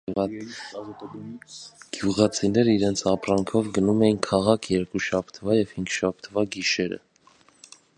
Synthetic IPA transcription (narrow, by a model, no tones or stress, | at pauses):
ɡ̥juʁɑt͡sʰinɛɾəiɾɛnt͡sʰɑprɑŋkʰɔvɡənumɛjinkʰɑʁɑkʰjɛɾkuʃɑpʰt̪ʰvɑjɛvhiŋɡʃɑp̚ʰt̪ʰvɑɡiʃɛɾə̰